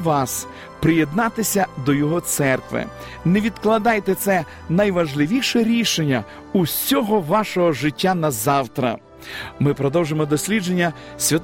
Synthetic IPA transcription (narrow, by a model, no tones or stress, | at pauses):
ʋɑs | pɾɪjed̪nɑt̪ɪsʲɐd̪ɔjɔɦɔt̪sɛrkʋɪ̰ | neʋʲid̪klˠɐd̪ɑjt̪ɛt̪sɛ | nɐjʋɐʒlˠɪʋʲiʃɛɾʲiʃenʲːɐ | usʲɔɦɔʋɑʃɔɦɔʒɪtʲːanɐzɑwt̪ɾɐ̰ | mɪpɾɔd̪ɔwʒemɔd̪ɔsʲlʲid͡ʒe̞nʲːɐsʲʋʲɐt̪